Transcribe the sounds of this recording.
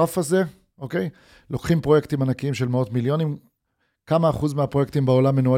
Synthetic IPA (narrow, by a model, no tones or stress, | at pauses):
afaze̞ | ʔo̞kej | lo̞kχimpʁo̞je̞kt̪imanakiimʃe̞lmeo̞tmiljo̞nim | kamaːχuzmeapʁo̞jekt̪imbeolamːe̞nua